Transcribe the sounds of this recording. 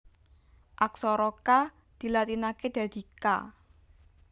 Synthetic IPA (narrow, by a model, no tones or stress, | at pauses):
ʔaksɔɾɔka | d̪̥i̤lat̪inaked̪̥ä̤d̪̥ika̰